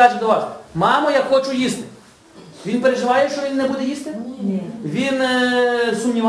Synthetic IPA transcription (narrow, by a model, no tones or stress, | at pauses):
ɑt͡ʃɪd̪ɔʋɑsmɑmɔjakxɔt͡ʃʊjist̪ɪ̥ | ʋʲinpeɾeʒɪʋɑjɛʃt͡ʃɔʋʲinːɛbud̪ɛjist̪ɪ | ʋʲin | sʊmnʲiʋ